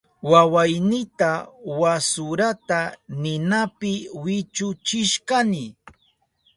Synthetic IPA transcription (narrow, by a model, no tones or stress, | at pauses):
wawajnɪt̪awasʊɾat̪anɪnapɪwɪt͡ʃʊt͡ʃɪʃkanɪ